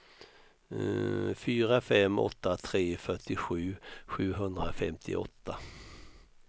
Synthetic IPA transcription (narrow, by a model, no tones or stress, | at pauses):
fyːɾafɛmːɔ̰t̪ːat̪ʰɾeːfœʈɪɧʉ̟ːɧʉ̟ːɦɵnd̪ɾafɛmt̪ʰɪ̰ʔɔ̰t̪ʰːa